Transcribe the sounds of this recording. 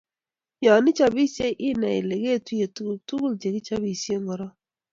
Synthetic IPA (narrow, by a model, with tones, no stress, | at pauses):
jɔ˨nɪ˦t͡ʃa˦bi˦si˦e˦ʔɪ˦na˨ɪ̰˨le˨ɡe˦˨tu˦je˨ttu˦ɡu˦ld͡ʒe˨ɡi˦t͡ʃa˦βi˦˨sje˦ŋɔ˨ɾɔ˦